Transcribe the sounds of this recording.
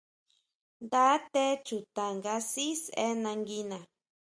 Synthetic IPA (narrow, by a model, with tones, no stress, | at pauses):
nd̪a˦t̪e˦t͡ʃu˨t̪a˨ŋɡa˦si˦se˦nã˧ŋɡi˦nã˨